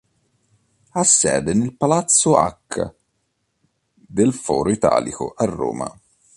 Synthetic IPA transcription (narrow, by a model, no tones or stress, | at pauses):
asːɛːd̪enelpalat̪sːoa̰kː | d̪elfɔːɾoit̪a̰ːlḭko̰ʔarːo̰ːma̰